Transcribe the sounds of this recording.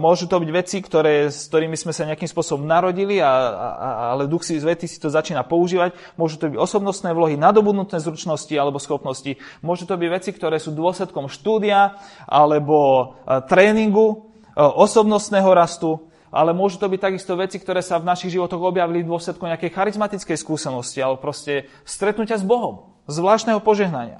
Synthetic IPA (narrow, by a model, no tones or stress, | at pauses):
mʊɔʒut̪ɔbiɟʋɛt͡sikt̪ɔɾɛːskt̪ɔɾiːmizmɛsaɲɛakimspʊɔsɔbɔmnaɾɔɟilia̰ | alɛd̪uxsizʋɛt̪iːsi̥t̪ɔzat͡ʃiːnapɔuʒiːʋac | mʊɔʒut̪ɔbiɟɔsɔbnɔst̪nɛːʋʊlɔɦinad̪ɔbud̪nut̪nɛːzɾut͡ʃnɔscialɛbɔsxɔpnɔscimʊɔʒut̪ɔbiɟʋɛt͡sikt̪ɔɾɛːsuːd̪ʊɔslɛt̪kɔmʃt̪uːd̪iaʔalɛbɔt̪ɾɛːniŋɡu | ʔɔsɔbnɔst̪nɛːɦɔɾast̪u | ʔa̰lɛmʊɔʒut̪ɔbic̚t̪aɡist̪ɔʋɛt͡sikt̪ɔɾɛːsavnaʃiɣʒiʋɔt̪ɔɣɔbjaʋilid̪ʊɔslɛt̪̚kɔmɲɛakɛjxaɾizmat̪it͡skɛjskuːsɛnɔscialɛbɔpɾɔscɛ | st̪ɾɛt̪nucɪazbɔɦɔm | zʋlaːʃt̪nɛɦɔpɔʒɛɦnaɲɪa̰